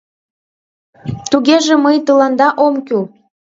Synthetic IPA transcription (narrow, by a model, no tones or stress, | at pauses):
t̪uɣeʒĕməjt̪əlɑnd̪ɑʔomkʲy